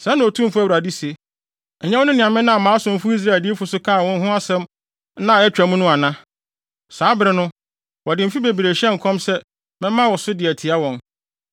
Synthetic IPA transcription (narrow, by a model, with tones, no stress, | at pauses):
sɛ˨˦nʊ̃˨o˨tʰũ˦mfʊ˦æ˦˨wɾa˨di˦se˨ | ɲɛ˦wɔ˦nʊ̃˦nɪ̃˨ã˨mɪ̃˦nã˦a˨mãː˨˦sʊ̃˨m̩˦fʊ˦i˦s̬ɾa˦e˨ldi˦e˦fʊ˨sʊ˦kʰa˦˨wɔ̃˦n˦ɦʊ̃˦a˦sɛ̃˦m˦ | nã˦˨ɛ˦t͡ɕᶣa˨mũ˦nʊ̃˦a˨nã˦ | saː˨˦bɪ˦ɾɪ˦nʊ̃˦ | wɔ˨dɪ˨m̩˨fi˦be˨bi˨ɾe˨ɕɛ̃˦ŋ̩˨kʰɔ̃˦msɛ˦ | mɛ̃˦mã˦wɔ˨sʊ˦dɪ˨æ˨tʰi˨a˦wɔ̃˨n